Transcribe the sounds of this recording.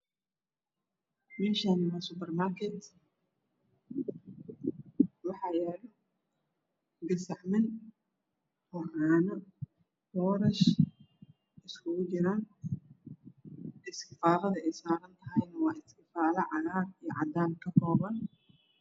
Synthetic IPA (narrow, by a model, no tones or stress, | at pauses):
mɛːʃanɪnɐsʊpɛrmaːrkʰɛt̪ | wɑħɑːjɛːlʊ | ɡɐsɐʕmɪn | hɔraːnɐ | bɔːɾɐʃ | ɪskʰʊɣʊt͡ʃɪɾaːn | ʔɪskɪfaːlɐðɐɛjsaːɾɐnt̪ʰɐɦɛjnɐwɑːɪskɪfaːlɐʕɑlaːrijɞʕɑ̰d̪aːnkʰɐkʰɔːβɐn